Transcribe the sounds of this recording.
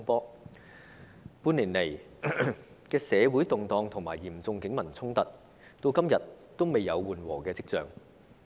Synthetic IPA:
ŋpɔː˥ | puː˧nliː˨˩nle˨˩j | kɛː˧sɛː˨˧wuː˨˥jt̪ʊ˨ŋt̪ɔː˧ŋt̪ʰʊ˨˩ŋmaː˨˩jːiː˨˩mt͡sʊ˧ŋkɪ˨˥ŋmɐ˨˩nt͡sʰʊ˥ŋt̪ɐ˨t̚ | t̪o˧wkɐ˥mjɐ˨t̚t̪o˥wme˨jːɐ˨˧wwuː˨nwɔ̰ː˨˩kɛː˧t͡sɪ˥k̚t͡sœː˨˩ŋ

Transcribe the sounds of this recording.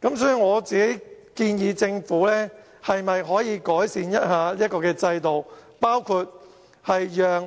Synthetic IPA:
kɐ˨˥msɔː˥y˨˧ŋɔː˨˧t͡siː˨ke˨˦˥j | kiː˧njiː˨˧t͡sɪ˧ŋfuː˨˥lɛː˥ | hɐ˨jmɐ˨jɦɔː˨˥jiː˨˧kɔː˨˥jsiː˨˧njɐ˥t̚haː˨˧liː˥ɐ˥tkɔː˧kɛː˧t͡sɐ˧jt̪o˨wpaː˥wkʰuː˧t̚ | hɐ˨jjœː˨ŋ

